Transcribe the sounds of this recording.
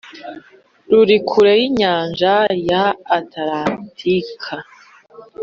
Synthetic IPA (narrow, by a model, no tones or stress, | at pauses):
ɾuɾikʰuɾejiɲaːnʒajaːtaɾatʰikʰa